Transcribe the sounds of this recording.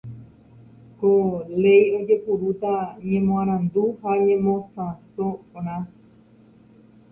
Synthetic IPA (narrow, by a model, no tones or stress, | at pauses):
kole̞jo̞d͡ʒe̞puɾut̪aɲẽmõãɾ̃ãnd̪uhaɲẽmõsãsõpõɾ̃ã